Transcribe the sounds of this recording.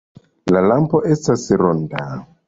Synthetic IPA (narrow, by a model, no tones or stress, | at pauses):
lalampo̞ʔe̞stasɾonda